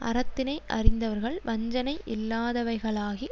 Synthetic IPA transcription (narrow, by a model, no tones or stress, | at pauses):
ʔɐ̰ɾɐt̪ːɪnɐɪʔɐ̰rɪnd̪ɐʋɐɾɣɐɭʋɐɲd͡ʒɐnɐɪʔɪlːaːðɐʋɐɪɣɐɭaːɣi